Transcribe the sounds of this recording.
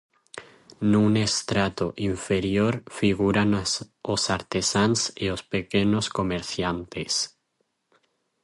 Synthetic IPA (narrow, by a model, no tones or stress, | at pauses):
nunest̪ɾat̪oʔiɱfeɾjoɾfiɣuɾanosaɾt̪esanseospekenosko̞meɾθjant̪es